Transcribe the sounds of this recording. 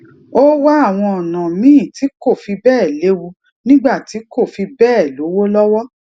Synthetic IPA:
o˦wa˦a˦˨w̃ɔ̃˧ɔ˨nã˨mĩ˦ĩ˦˨ti˨˦ko˦˨fi˧bɛː˦˨le˨˦wu˧ | nĩ˦ɡ͡ba˦˨ti˨˦ko˦˨fi˧bɛː˦˨lo˨˦wo˦lɔ˦wɔ˦

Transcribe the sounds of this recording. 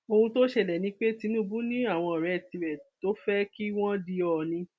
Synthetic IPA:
o˧hũ˧to˦ʃe˧˨lɛ˨nĩ˨˦k͡pe˦ti˨˧˦nũ˦bũ˦nĩ˦a˦˨w̃ɔ̃˧ɔ˨ɾɛ˨ti˧ɾɛ˨to˦fɛ˦ki˦w̃ɔ̃˦di˧ɔ˧˨nĩ˧˦

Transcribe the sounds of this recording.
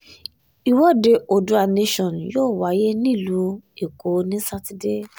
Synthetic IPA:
i˨wɔ˦de˧o˨du˨˦a˧ne˧ʃɔ̃˨n˨joː˦˨wa˨˦je˦nĩ˦˨lu˨˧˦e˨ko˨˦nĩ˦sa˧ti˨de˦˨

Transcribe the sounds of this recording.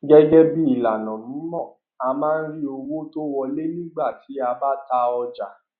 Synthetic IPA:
ɡɛ˦ɡɛ˦bi˦i˦˨la˨nɔ̃˨mũ˨˦mɔ̃˦˨ | a˧mãː˦˧n̩˦ɾi˦o˧wo˦to˦wɔ˧le˦nĩ˦ɡ͡ba˦˨ti˨˦a˧ba˦ta˧ɔ˧d͡ʒa˨

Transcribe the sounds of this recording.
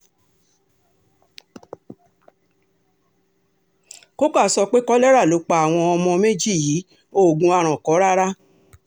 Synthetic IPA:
ko˦ka˦˨sɔ˧k͡pe˦kɔ˦lɛ˦ɾa˦˨lo˨˦k͡pa˧˦a˨w̃ɔ̃˧ɔ˧mɔ̃˧me˦d͡ʒi˦˨jiː˨˦ | o˦˨ɡũ˧a˧˨ɾ̃ɔ̃˨kɔ˨˦ɾa˦ɾa˦

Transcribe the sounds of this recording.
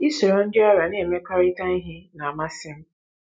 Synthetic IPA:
i˦so˨ɾo˨n̩˦dɪ˦ɔ˦ɾa˨ne˦˨me˦ka˦ɾi˦ta˦ni˦ɦɪ˦na˨a˨ma˦sɪ˦m̩˦

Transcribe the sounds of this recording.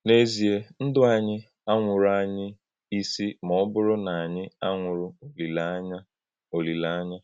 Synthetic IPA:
ne˦zi˨e˦n̩˦dʊ˦a˨ɲɪ˦ | a˦ŋʷʊ˨ɾʊ˨˦a˦ɲɪ˦ | i˦si˦mɔ˦bʊ˦ɾʊ˦na˨a˨ɲɪ˦a˦ŋʷʊ˨ɾʊ˦o˨li˨la˦ɲa˦ | o˨li˨la˦ɲa˦

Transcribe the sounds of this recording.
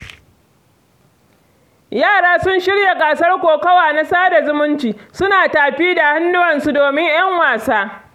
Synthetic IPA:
jaː˦˨ɽaː˦sʊ˦nʃɪ˦ɽja˨kʼa˨sɐ˦rkʷoː˨kɐ˦waː˨na˦saː˦da˨zʊ˦mʊ˦nt͡ʃiː˨sʊ˦naː˨taː˨ɸiː˦da˨ha˦nːʊ˦wɐ˨nsu˦doː˨mɪ˦ɲj̰ɐ˦ŋwaː˨saː˦

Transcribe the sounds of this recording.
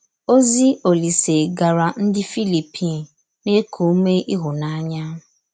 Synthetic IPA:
o˦zi˦o˨li˨se˨ɡa˨ɾa˨n̩˦dɪ˦fi˦li˨pʰi˦˨n̩˨ | ne˦kʰo˨˦me˦ʔi˦ɦʊ˨na˦a˦ɲa˦˨

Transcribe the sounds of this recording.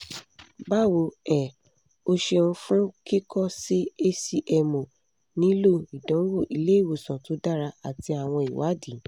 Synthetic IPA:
ba˦˨wo˨˧˦ɛ̃˨ | o˧ʃe˧ñ̩˧fũ˦ki˦kɔ˦˨si˦e˦si˦ʔɛ˧mõ˨ | nĩ˦lo˦˨i˨dɔ̃˨˦wo˦˨ʔi˧le˦i˦˨wo˨sɔ̃˨to˨˦da˦˨ɾa˧a˨ti˧a˨w̃ɔ̃˧i˨wa˨˦di˨˦

